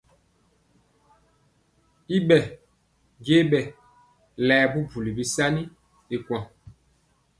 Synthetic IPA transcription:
i˦ɓɛ˨ | d͡ʒe˦ɓɛ˨ | lɛː˨bu˦bu˨li˨bi˦sa˦ni˦ | e˨kwã˨

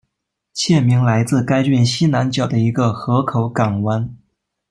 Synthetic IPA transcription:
t͡ɕʰjɛ˥˩mi˧˥ŋla˧˥ɪt͡sɹ̩˥˩˧ka˥ɪt͡ɕy˥˩nɕi˥na˧˥nt͡ɕjɑ˨˩ʊd̪ə˦i˧˥ɡə˧xɤ˧˥kʰo˨˧˥ʊka˨˩ŋwa˥n

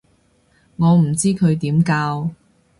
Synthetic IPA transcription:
ŋɔː˨˧m̩˨˩t͡siː˥kʰɵ˨˧ɥt̪iː˨˥mkaː˧w

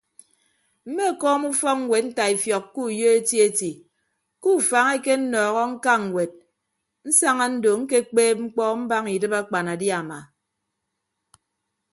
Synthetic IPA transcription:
m̩˦me˦a˨kɔː˦mu˦fɔ˦k̚ŋ̩˦we˨t̚n̩˦ta˨i˨fjɔ˨kːu˦˨jo˦e˦ti˦e˦ti˨ | ku˦˨fa˨ŋe˦ke˦n̩˦nɔː˨ɣɔ˦ŋ̩˦ka˦ŋ̩˨we˨t̚ | n̩˦sa˦ŋa˦n̩˦do˨ŋ̩˦ke˦k͡peː˦p̚ŋ͡m̩˦k͡pɔ˦m̩˦ba˦ŋi˨dɨ˦ba˦k͡pa˨na˨dja˨ma˨

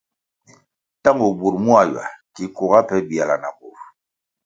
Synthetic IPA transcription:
ta˦ŋo˨bu˨ɾmu˦a˨jwa̰˨ki˨ko˨ɣa˦pɛ˦bi˨a˨la˨na̰˨ko˨f

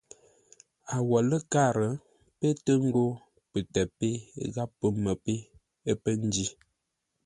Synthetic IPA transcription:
a˨wɔ˨lə˦ka˦˨ɾə˨ | pə˦tə˦ŋ̩˦ɡo˦ | pə˨tɛ˨pe˦ɣa˦pːə˦mə˨pe˦ | ə˦pə˦n˦di˦

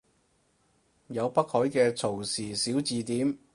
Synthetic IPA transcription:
jɐ˨˧wpɐ˥k̚hɔː˨˥jkɛː˧t͡sʰo˨˩wsiː˨˩siː˨˥wt͡siː˨t̪iː˨˥m

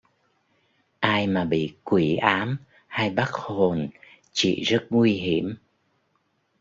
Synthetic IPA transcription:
ʔaː˧jmaː˨˩ɓḭ˧˨kwi˧˩˦ʔaː˨˦m | ha˧jɓa˦˥k̚ho˨˩n | t͡ɕḭ˧˨zə˦˥t̚ŋwi˧ɦi˧˩əm

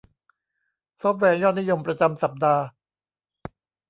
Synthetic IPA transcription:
sɔː˦˥p̚wɛː˧jɔː˥˩t̪̚ni˦˥jo˧mpɾa˧t͡ɕa˧msa˨˩p̚daː˧

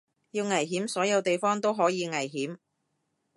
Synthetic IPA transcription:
jiː˧wŋɐ˨˩jɦiː˨˥msɔː˨˥jɐ˨˧wt̪e˨jfɔː˥ŋt̪o˥wɦɔː˨˥jiː˨˧ŋɐ˨˩jɦiː˨˥m

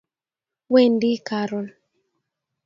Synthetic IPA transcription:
we˦˨ndi˦ka˨ɾɔ˨n

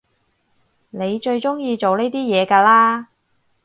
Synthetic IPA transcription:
ne˨˧jt͡ʃɵ˧ɥt͡ʃʊ˥ŋjiː˧t͡so˨wne˥jt̪iː˥jɛː˨˧kaː˧laː˥

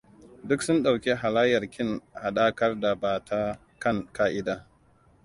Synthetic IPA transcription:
dʊ˦ksʊ˦nɗa˨wkʲe˦ɦa˨laː˦jɐ˨rkʲɪ˦ŋha˨ɗaː˦kɐ˦rda˨baː˨tʰa˦ | kɐ˦ŋkaː˦ʔɪ˦daː˦

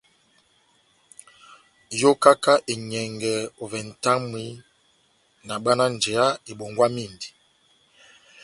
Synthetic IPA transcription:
jo˦ka˦ka˦ʔe˨ɲɛ˨ŋɡɛ˨o˨vɛ˨n̩˨ta˦ŋmi˦ | na˨ɓa˦na˦n˨d͡ʒɛ˨a˦e˨ɓo˨ŋɡwa˦mi˦˨ndi˨

